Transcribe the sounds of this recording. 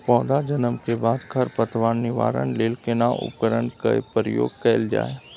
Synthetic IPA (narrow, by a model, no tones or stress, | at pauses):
pɔːd̪ad͡ʒənəmkebaːd̪kʰəɾpət̪ʰʋaːnːɪʋa̰ːɾə̰nleːlkenaʔʊ̰pkəɾənkḛpəɾəjo̰ːɡkɛːld͡ʒa̰ːe